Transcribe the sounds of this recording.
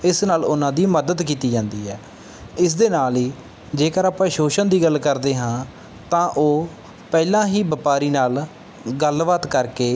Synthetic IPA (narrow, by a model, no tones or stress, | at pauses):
ɪsnaːlʊnãːd̪iːməd̪əd̪kiːt̪iːd͡ʒãːnd̪iːɛː | ɪs̬d̪eːnaːliː | d͡ʒeːkəɾaːpãːʃoːʃənd̪iːɡəlkəɾd̪eːɦãː | t̪ãːʔoː | pɛːlãːɦiːbəpaːɾiːnaːl | ɡəlʋaːt̪kəɾkeː